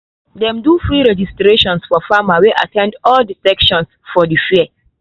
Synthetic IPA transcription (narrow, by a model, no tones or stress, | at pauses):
dɛ̃mdufɹiɹɛd͡ʒistɾeʃɔ̃nsfɔfamaweʔa̰tʰɛ̃ndɔldisɛkʃɔ̃nsfɔdifiə